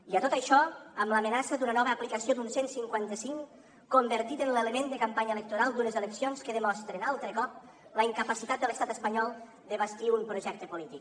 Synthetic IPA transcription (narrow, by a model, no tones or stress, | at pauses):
iət̪ot̪əʃɔəmləmənasəd̪unənɔβəːplikəsiod̪unsensiŋkwant̪əsiŋ | kombəɾt̪it̪ənleləmend̪əkəmpaɲəelək̚t̪uɾalˠd̪unəzeləksionskəðəmɔst̪ɾenalˠt̪ɾəkɔp̚ | ləiŋkəpəsit̪at̪̚d̪ələst̪at̪əspəɲɔlˠ | d̪əβəst̪iumpɾuʒɛk̚t̪əpulit̪ik